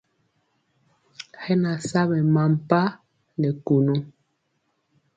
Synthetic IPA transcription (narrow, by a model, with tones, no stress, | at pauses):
hɛ˦na˨sa˦βɛ˨ma˨m˨pa˦ | nɛ˨ku˨nu˦